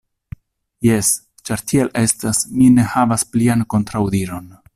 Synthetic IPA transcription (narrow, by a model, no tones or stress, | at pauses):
je̞s | t͡ʃaɾtʰielʔe̞stasmine̞havasplianko̞ntɾawdiɾo̞n